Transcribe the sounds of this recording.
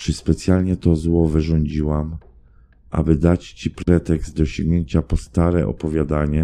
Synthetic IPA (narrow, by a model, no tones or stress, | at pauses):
t͡ʂɘspɛt̪sʲjalɲɛt̪ɔzwɔvɘʐɔɲd͡ʑiwam | ʔa̰bɘd̪at͡ɕt͡ɕipɾɛt̪ɛkzt̪̚d̪ɔɕɔŋɡɲeɲt͡ɕapɔst̪aɾɛ̰ʔɔ̰pɔvʲjad̪aɲɛ